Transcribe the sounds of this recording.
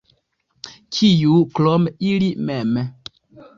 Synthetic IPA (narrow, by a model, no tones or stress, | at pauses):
kʰijuklɔmilimɛm